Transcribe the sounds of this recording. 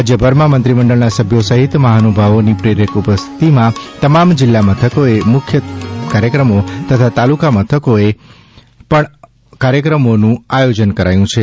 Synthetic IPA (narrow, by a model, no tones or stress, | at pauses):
ad͡ʒjəbʱəɾmãmənt̪ɾiməɳɖəɭnasəbʱjosəɦit̪məɦanubʱaʋonipɾeɾekupəst̪ʰi̥t̪imãt̪əmamd͡ʒɪlːamət̪ʰəkoemʊkʰjəkaɾjəkɾəmot̪ət̪ʰat̪alukamət̪ʰəkoe | pəɳ | kaɾjəkɾəmonũajod͡ʒənkəɾajũt͡ʃʰe